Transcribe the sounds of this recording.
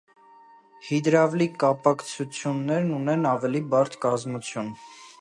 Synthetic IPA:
hid̪ɾɑvlikɑpɑkt͡sʰut͡sʰjunːɛɾnunɛnɑvɛlibɑɾt̪ʰkɑzmut͡sʰjun

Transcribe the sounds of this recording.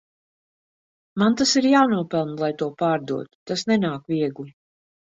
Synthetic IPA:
mant̪asiɾjaːnuɔpɛlˠnlˠajt̪uɔpaːɾd̪ṵɔt̪u̥t̪asnɛnaːkviɛɡlʲi

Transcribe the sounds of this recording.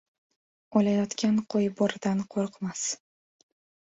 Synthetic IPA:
ɒlajɒt̪kʲʰanqʰojbɒɾd̪anqʰoɾqmas

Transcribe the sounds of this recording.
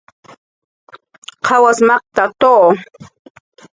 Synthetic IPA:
qʰɑwasmɑχt̪at̪oː

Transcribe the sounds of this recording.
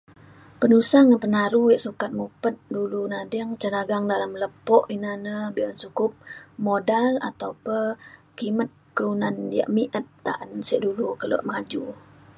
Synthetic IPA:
pənusaŋənpənaɾujəʔsukat̪̚mupət̪̚dulunadəŋt͡ʃənaɡaŋdalamləpɔʔinanəbiɔnsukʊp̚modala̰t̪awpəkimət̪̚kəlunanjə̰ʔmiʔət̪ːa̰ʔənsiʔdulukələ̰ʔmad͡ʒu

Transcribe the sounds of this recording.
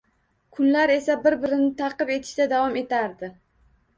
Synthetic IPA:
kʰʊnlaɾe̞sabɪɾbɪɾɪnɪt̪ʰɑqɨpe̞t̪ʰɪ̥ʃd̪ad̪avɒme̞t̪ʰaɾd̪ɪ

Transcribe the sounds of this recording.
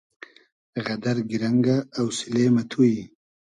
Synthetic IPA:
ɣad̪aɾɡɪɾaŋɡaːwsɪlemat̪ʰuji

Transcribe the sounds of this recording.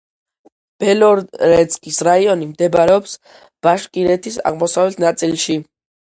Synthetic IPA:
b̥ɛlɔɾɾɛt̪skʼisɾaiɔnimd̪ɛbaɾɛɔps | b̥aʃkʼiɾɛt̪ʰisa̰ʁmɔsavɛt̪ʰnat̪sʼilˠʃi

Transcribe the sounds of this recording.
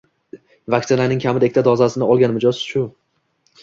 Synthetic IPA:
vak̚ʲt̪ɪnanɪŋkʲʰamɪd̪ekʲt̪ʰad̪ɒzasɪnɪɒlˠɡʲanmɪd͡ʒɒzʃʊ

